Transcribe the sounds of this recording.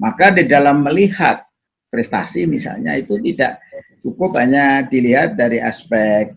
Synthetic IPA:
makadidalamːəliha̰t̪̚ | pɾɛst̪a̰simisa̰lɲa̰it̪ut̪ida̰ʔt͡ʃukʊp̚ɦaɲadiliɦat̪̚daɾiʔa̰spɛk̚

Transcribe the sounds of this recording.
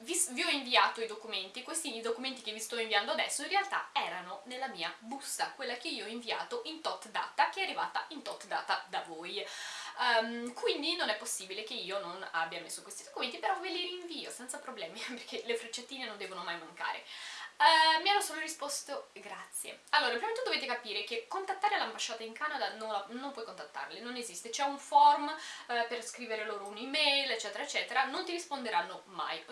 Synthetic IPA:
visviɔiɱviaːt̪oid̪okument̪ikwest̪iːd̪okument̪ik̟evist̪ɔĩɱviand̪oad̪ɛsːoĩnrealt̪aɛːɾanonelːamiːabusakwelːakeiːoɔiɱvia̰ːt̪oʔint̪ɔt̪d̪a̰ːt̪ak̟eɛarːiva̰ːt̪aint̪ɔt̪ːd̪a̰ːt̪ad̪avoj | kwind̪inonɛpːosːibilekeiːonona̰bːjamesːokwest̪id̪̥okument̪ipeɾɔviliɾiːɱviːosɛnt̪sapɾoblɛːmiperkʰelefɾet͡ʃːet̪ːiːnenond̪ɛːvonomajmaŋka̰ːɾḛ | mianːosoːloɾispɔst̪oɡɾat̪sːjḛalːoːɾapɾimet̪ud̪oveːt̪̬ekapiːɾek̟ekːont̪at̪ːaːɾelambaʃːaːt̪aiŋkanad̪anonlanompwɔjkont̪at̪ːa̰rlenonezist̪et͡ʃɛuɱfɔrmperskɾiːveɾeloːɾounimɛjlet͡ʃːɛːt̪eɾaet͡ʃːɛːt̪eɾanont̪iɾispond̪eɾanːoma̰j

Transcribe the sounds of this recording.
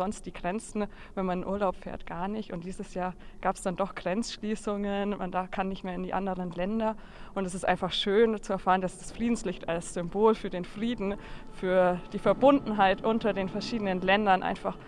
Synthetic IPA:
zɔnst̚d̥iːɡʁɛnt͡sn̩ | vɛnmanɪnʔuːɐlaʊpfɛ̰ːɐtɡ̥aːɐnɪçtʊntd̥iːzəsjaːɐɡ̥aːpsd̥andɔχɡ̥ʁɛnt͡sʃliːsʊŋənma̰ndaɐfkʰanːɪçtmeːɐɪndiːʔa̰ndəʁənlɛndɐ | ʔʊntɛsɪstʔaɪnfaχʃøːnt͡suɛɐfaːʁəndasd̥asfʁ̥iːdn̩slɪçtalsz̥ʏmboːlfyːɐdeːnfʁ̥iːdn̩fyːɐd̥iːfɛɐbʊndn̩ɦaɪtʔʊntɐdeːnfɛɐʃiːdənənlɛndɐnʔa̰ɪnfaχ

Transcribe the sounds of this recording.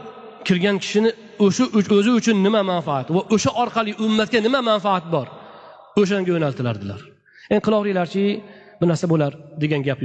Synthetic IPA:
kʲʰɪɾɡʲankʲʰɪ̥ʃɪnɪ | oʃʊʔʊɵzɪʊt͡ʃʰʊnːɪmamanfaat̪vaʔɵʃaʔɒɾqʰɑlˠɪʔʊmːat̪̚kʲanɪmamanfaat̪̚bɒɾ | ɵʃ̬aŋɡʲajonalˠt̪ʰɪlaɾd̪ɪlaɾ | janɪqʰɨlˠɒʁɾijlaɾt͡ʃʰɪ | bɪnaɾsabolaɾd̪e̞ɡʲanɡʲapj

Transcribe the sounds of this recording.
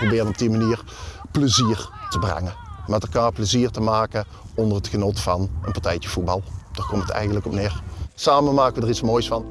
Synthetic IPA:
probɪːrənɔb̚dimaniːəɹ | pləziːəɹtəbrɛ̰ŋənmɛtɛlˠkaːɹpləziːɹtəmaːkə | ɔndərətxənotfɑnənpɑɹtɛjtəv̥ud̚bɑlˠd̥aːɹkɔmtətɛ̰jɣənləkɔpnɪːɹsaːmənmaːkəʋədəʁitsmoːjsfɑn

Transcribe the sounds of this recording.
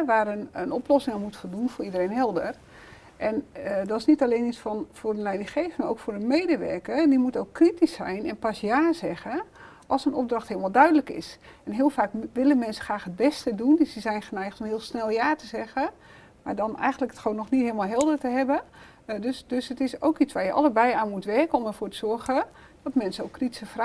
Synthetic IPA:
ʋaːrənənɔplɔsɪŋanmutfolˠdunfʊːidəreːnɦɛlˠdər | ʔɛndɔɪsnitaleːnisfɔnfʊːrdənlɛjdɪŋxeːftmarowkfʊːrdəmeːdəʋɛ̰rkərdimutowkːritisɛjnɛnpasjaːzɛɣə | ʔɔlˠsənɔp̚drɑxthiːəlˠmalˠdœɥdələkɪ̰s | ɛnɦiəlˠfaːkʋɪləmɛnsə̥xraːxɦət̚bɛstədundsizɛjnχənɛjxtomɦɪəlˠsnɛlˠjaːtəzɛɣə | ma̰ːɹdɔnɛ̰jxɣəndləkətxonːɔxnitɦiːlˠmalˠɦɛlˠdərtəɦɛbə | døsdøsətɪsowkit͡sʋaːɹjəʔɑ̰ləbɛjaːnmutʋɛrkənɔməɹvoːtəz̥ɔrɣə | d̥ɔtmɛnsəowkʰːriti̥səfr

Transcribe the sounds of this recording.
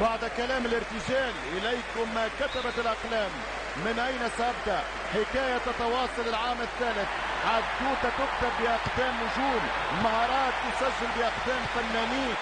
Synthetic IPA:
baʕd̪kalæːmɪlɪɾt̪ɪʒæːlʔɪlajkʊmːakat̪abat̪ɪlʔɑqlæːmː | ɪnʔajnasaʔab̚d̪aʔ | ħɪkaːjat̪ɑt̪ɑwɑːsˤɑlɪlʕaːmɪt̪ːæːlɪθ | ʕad̪k̪uːt̪at̪ʊk̚t̪abːɪʔaqd̪æːmːʊʒuːm | maɦɑːɾˤɑːt̪jʊsæʒːɪlbɪʔaqd̪æːmfanːæːniː

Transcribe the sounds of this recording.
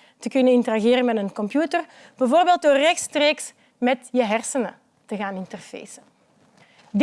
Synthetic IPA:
təkɵnənɪntəraɣeːɾənmɛtənkɔmpjuːtər | b̥əvoːrbeːlˠt̚doːrːɛxtstreːks | mɛtjəɦɛrsənə̰ | təɣaːnɪntərfḛːsə | d

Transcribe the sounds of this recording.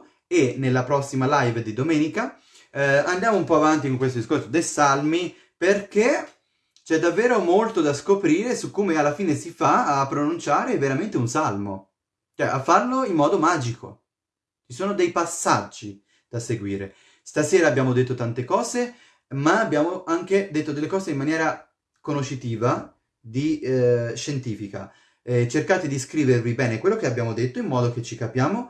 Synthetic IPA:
enːelːapɾɔsːimalajvd̪id̪omɛːnika | and̪jaːmoumpɔavant̪ikoŋkwes̬t̪od̪iskorsod̪ejsalmi | perk̟e | t͡ʃɛd̪ːavːeːɾomolt̪od̪askopɾiːɾesukːoːmealːafiːnesifaːpːɾonunt͡ʃaːɾeveɾament̪eunsalmo̰ | t͡ʃoɛ̰ʔafːarloimːɔːd̪omaːd͡ʒiko̰ | t͡ʃisoːnod̪ejpasːad͡ʒːi | d̪̥aseɡwiːɾe | st̪asɛːɾaːbːjaːmod̪et̪ːot̪ant̪ekɔːze | maːbːjaːmoʔaŋk̟ed̪et̪ːod̪elːekɔːzeimːanjɛːɾa | konoʃːit̪iːva | d̪i | ʃent̪iːfika̰ | t͡ʃerkaːt̪ed̪iskɾiːvervibɛːnekwelːokeabjaːmod̪et̪ːoimːɔːd̪ok̟et͡ʃːikapjaːmo

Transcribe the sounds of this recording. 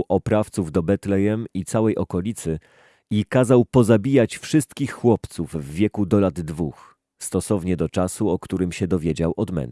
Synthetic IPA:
wʔɔpɾaft̪suvd̪ɔbɛt̪lɛjɛmit̪sawɛjʔɔkɔlʲit̪sɘ | ikazawpɔzabʲijat͡ɕfʂɘst̪kʲixːwɔpt̪suvvːʲjɛkud̪ɔlad̪ːvux | st̪ɔsɔvɲɛd̪ɔt͡ʂasuɔkt̪uɾɘmɕɛd̪ɔvʲjed͡ʑawʔɔd̪mɛ̰n

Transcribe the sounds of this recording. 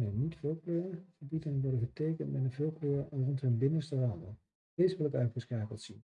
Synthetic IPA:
nənitfɪlˠkløːəəbidənənʋɔɹdəχətejkəntmɛtəvɪːlˠkløːərɔnthənbɪnəstəraːdən | eːzʋɪlˠəkœɥtχəskaːkəlˠtsin

